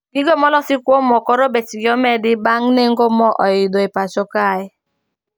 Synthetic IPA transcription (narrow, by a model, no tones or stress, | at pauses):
biɡomɔlɔsikʷomɔkɔɾobɛtiɡɔmɛdɪbaŋneŋ̩ɡomɔʔɔ̰jidoepat͡ʃɔkaɪ